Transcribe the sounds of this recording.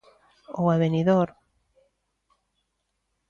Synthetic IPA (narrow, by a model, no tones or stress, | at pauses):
owaβeniðoɾ